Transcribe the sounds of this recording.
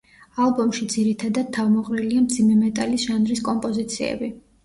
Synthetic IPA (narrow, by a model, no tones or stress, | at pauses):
alˠbɔmʃid̪ziɾit̪ʰad̪ad̪̚t̪ʰːavmɔqʼɾiliamd̪zimɛmɛt̪ʼalisʒ̥anɾiskʼɔmpʼɔzit̪sʰiɛ̰bi